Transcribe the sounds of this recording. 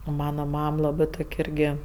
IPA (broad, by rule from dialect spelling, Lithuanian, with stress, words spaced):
oː ˈmɑːnɐ ˈmɐm ˈlˠɑːbɜ ˈtoːkʲ ˈɪrʲɡʲɪ